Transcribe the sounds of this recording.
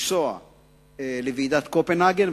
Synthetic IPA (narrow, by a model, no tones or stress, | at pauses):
sɔɐ̰ | lɪviːd̪ɐt̪kɔpɛnaɡɛn